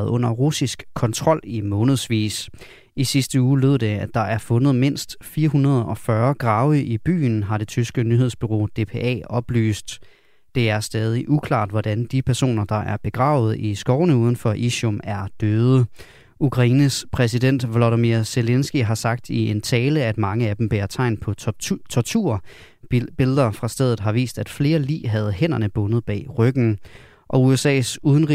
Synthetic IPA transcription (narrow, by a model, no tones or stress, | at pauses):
ð̩ˠɔ̽n̰ɐʁusisɡ̥kʰːɒ̽nt͡sʰʁɒ̽l̰imɔ̽ːnəð̞̩ˠsʋḭːs | isisd̥əuːlyð̰ˠd̥e̝æd̥ɑ̈ʔæɐfɔ̽nəð̞̩ˠme̝n̰sd̥fiːɐɦunʁɐð̞̩ˠɒ̽fɶɐɡ̥ʁɑ̈ːʊəʔib̥y̰ːn̩ɦɑ̈ɾ̥e̝t͡sʰysɡ̥ənyhe̝ð̞ˠsb̥yʁo̝̰ːd̥e̝pʰeːʔɛ̰ːɒ̽b̥ly̰ːsd̥ː | e̝æɐsd̥ɛːð̞ˠiʔukʰlɑ̰̈ːd̥ʋɒd̥ænd̥ipʰæɐso̝̰ːnɐd̥ɑ̈ʔæɐb̥e̝ɡ̥ʁɑ̰̈ːʊð̞̩ˠisɡ̥ɒʊnəuːð̞ˠn̩fɒ̽ʔiɕɔmæɐd̥øːð̞ˠə | ʔukʰʁɑ̈iːnəspʰʁɛs̬iden̰d̥ʋloɾəmiɐselensɡ̥iɦɑ̈sɑ̈ɡ̥̚d̥ie̝nt͡sʰɛːləæd̥mɑ̈ŋəæd̥emb̥eːɐt͡sʰɑ̈ɪ̰npʰɒ̽t͡sʰɒt͡sʰuɐ̰ | b̥e̝lðˠɐfʁɑ̈sd̥eðˠð̩ˠɦɑ̈ʋḭːsd̥æd̥fle̝ːɐlḭːɦæð̞̩ˠhen̰ɐnəb̥ɔ̽nəð̞̩ˠb̥ɛ̰ːʁœɡ̥n̩ | ʔɒ̽uesɛ̰ːsuðˠn̩ʁi